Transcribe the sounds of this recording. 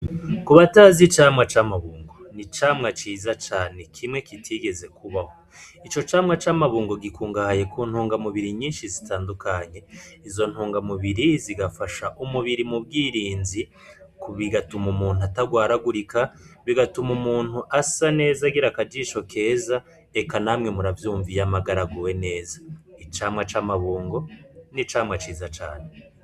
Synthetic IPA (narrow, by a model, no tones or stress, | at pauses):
kuβataːzit͡ʃaːmŋat͡ʃaːmaβuːŋɡo̞nit͡ʃaːmŋat͡ʃiːzat͡ʃaːne̞kʰimŋe̞kitʰiɡe̞ze̞kuβaho̞ | it͡ʃo̞t͡ʃaːmŋat͡ʃaːmaβuːŋɡo̞ɡikuːŋɡahaje̞kʰuːn̥huːŋɡamuβiɾiɲiːnʃizitaːndukaɲe̞izo̞n̥huːŋɡamuβiɾiziɡafaʃaʔumuβiɾimub̚ɡiːɾiːnzi | kuβiɡatumumuːn̥uataɡwaːɾaɡuɾikaβiɡatumumuːn̥huʔasane̞ːzaɡiɾakad͡ʒiʃo̞ke̞ːza | ekanamŋe̞muɾavjuːɱvijamaɡaɾaɡuwe̞ne̞ːzait͡ʃaːmŋat͡ʃaːmaβuːŋɡo̞nit͡ʃaːmŋat͡ʃiːzat͡ʃa̰ːne̞